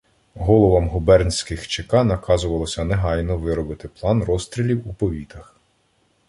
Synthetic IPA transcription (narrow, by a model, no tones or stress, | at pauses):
ɦɔlˠɔʋɐmɦʊbɛrnʲsʲkɪxt͡ʃekɑnɐkɑzʊʋɐlˠɔsʲɐneɦɑjnɔʋɪɾɔbɪt̪ɪplˠɑnrɔst̪ɾʲilʲiwupɔʋʲit̪ɐx